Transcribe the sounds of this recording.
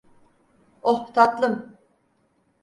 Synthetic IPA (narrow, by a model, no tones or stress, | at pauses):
oht̪ʰat̪lˠɯm